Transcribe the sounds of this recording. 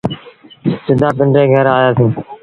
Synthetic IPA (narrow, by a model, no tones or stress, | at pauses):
sɪd̪ʱaːpəɳɖɾeːɡʱəɾaːjaːsĩː